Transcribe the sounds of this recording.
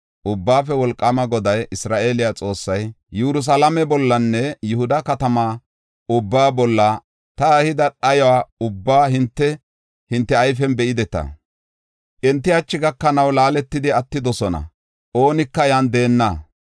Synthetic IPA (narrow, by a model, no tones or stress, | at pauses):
ʔʊbːaːfɛwɔlkʼːɐmɐɡɔd̪ɐjʔɪsɾaːʔe̞ːlɪjat͡sʼo̞ːsːɐj | juɾʊs̬ɐlɐmɛbɔlːɐnːɛjʊhʊd̪ɐkɐt̪ɐmaː | ʊbːaːbɔlːɐ | t̪ɐhɪd̪ɐɗɐjɔwaːʊbːaːɦɪnt̪ːɛ | hɪnt̪ːɛɐjfɛnbɛʔɪd̪ɛt̪ɐ̰ | ʔɛnt̪ːɪɐt͡ʃːɪɡɐkːɐnɐwlaːlɛt̪ːɪd̪ɪɐt̪ːɪd̪ɔsɔnɐ̰ | ʔo̞ːnɪkːɐjand̪e̞ːnːa